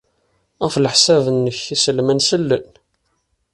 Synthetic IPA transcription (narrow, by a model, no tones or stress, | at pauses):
ʁəflħsævənːəçisəlmænsəlːən